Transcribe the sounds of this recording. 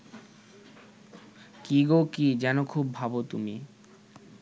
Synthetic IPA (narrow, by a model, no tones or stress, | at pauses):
kiɡokid͡ʑɛnokʰubːʱabot̪ṵmi